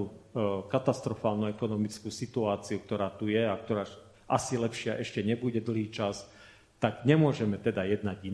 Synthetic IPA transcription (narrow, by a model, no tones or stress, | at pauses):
ukat̪ast̪ɾɔfaːlnuɛkɔnɔmit͡skuːsit̪uaːt͡siuk̚t̪ɔɾaːt̪ujɛak̚t̪ɔɾaː | ʔasilɛpʃɪaʔɛʃcɛɲɛbuɟɛd̪l̩ˠɦiːt͡ʃas | t̪aɡɲɛmʊɔʒɛmɛt̪ɛd̪ajɛd̪naɟi